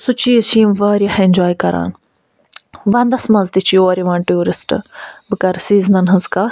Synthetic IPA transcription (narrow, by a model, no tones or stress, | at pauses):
sut͡ʃiːsʰĩːmʋəːɾjɐhend͡ʒoːjkɐɾa̰ːn | ʋɐnd̪ɐsmɐzt̪it͡ʃʰioːɾiʋaːnʈuːɾisʈbɨkɐɾsiːznɐnɦɐzkaː